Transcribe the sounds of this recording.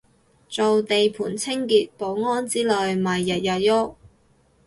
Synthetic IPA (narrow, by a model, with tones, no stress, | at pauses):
t͡so˨wt̪e˨jpʰuː˨˩nt͡sʰɪ˥ŋkiː˨t̚po˨˧˥wŋɔː˥nt͡siː˥lœː˨jmɐ˨jːɐ˨˩t̚jɐ˨t̚jo˥k̚